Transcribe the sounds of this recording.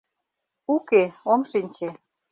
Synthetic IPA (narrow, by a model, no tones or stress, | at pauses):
ukeomʃinʲt͡ɕe